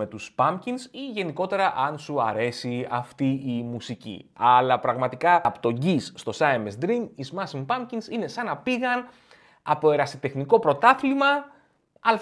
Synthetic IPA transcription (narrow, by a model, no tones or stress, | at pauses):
e̞t̪uspɐmcinsiʝe̞niko̞t̪e̞ɾɐʔɐnsuɐɾe̞siɐft̪iimusicḭɐlɐpɾɐɣmɐt̪ikɐpt̪o̞ɲɟisːt̪o̞sɐemesd̪ɾinizmɐsimpɐmcinsine̞sɐnɐpiɣɐn | ɐ̰po̞e̞ɾɐsit̪e̞xniko̞pɾo̞t̪ɐθlimɐ | ɐl